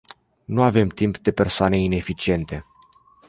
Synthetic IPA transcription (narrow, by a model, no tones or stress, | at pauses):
nuave̞mt̪impd̪e̞pe̞rsoane̞ine̞fit͡ʃie̞nt̪e̞